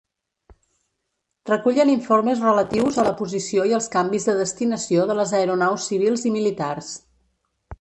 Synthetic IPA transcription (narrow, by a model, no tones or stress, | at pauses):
rəkuʎəniɱforməzrələt̪iwzələpuzisioiəlˠskambizðəðəst̪inəsioðələzəɾunawsːiβ̞ilˠzimilit̪ars